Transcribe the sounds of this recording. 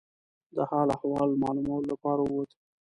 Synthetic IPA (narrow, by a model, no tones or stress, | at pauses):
d̪əhɑlahwɑld̪mɑlumawəlolapɑɾaəwot̪ə